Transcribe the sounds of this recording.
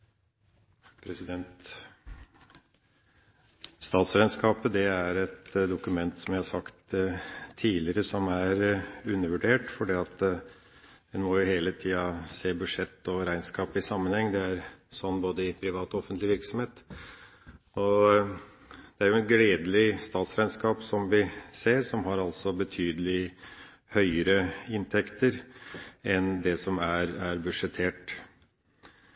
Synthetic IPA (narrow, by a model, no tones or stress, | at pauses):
pʰɾɛsɪd̪ɛnt̪ | st̪ɑːt̪sɾæɪnskɑːpəd̪ɛæɾɛt̪d̪ʊkʉmɛnt̪sɔmjæɪhɑsɑkt̪ʰː | iːlɪɾəsɔmæɾʉnːəʋʉɖeːʈfɔɖiːɑt̪ | d̪ɛnmɔjʊheːlət̪ʰiːɑseːbʉd̪ʂɛt̪ːɔɾæɪnskɑːpɪsɑmːənhɛŋːd̪ɛæɾsɔnːboːd̪əɪpʰɾɪʋɑːt̪ɔɔfənt̪lɪʋɪɾksɔmheːt̪ | ɔ | d̪̥ɛæɾjʊɛnɡleːd̪əlɪst̪ɑːt̪sɾæɪnskɑːpsɔmʋɪseːɾsɔmɦɑɾɑlt̪sɔbət̪ʰyːd̪əlɪ | hœʏəɾəɪnt̪ʰɛkt̪əɾ | ɛnd̪ɛsɔmæɾæɾbʉʂɛt̪ʰeːʈ